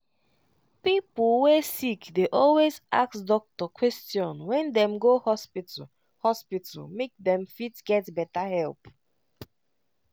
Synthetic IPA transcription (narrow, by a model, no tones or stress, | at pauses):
piplwesikdeʔɔlweza̰ksdɔk̚tɔkʰwɛstjɔ̃nwɛ̃ndɛ̃mɡohɔspit | hɔspita̰lmek̚dɛ̃mfitɡ̥ɛtbɛtahɛlˠp